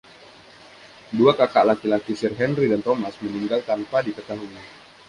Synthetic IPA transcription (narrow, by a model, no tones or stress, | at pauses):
duakakaʔlakilakisirɦɛnridant̪omasməniŋɡalt̪ampadit̪ək̪aluŋa